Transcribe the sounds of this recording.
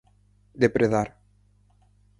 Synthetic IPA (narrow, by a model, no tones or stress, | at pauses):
d̪epɾeðaɾ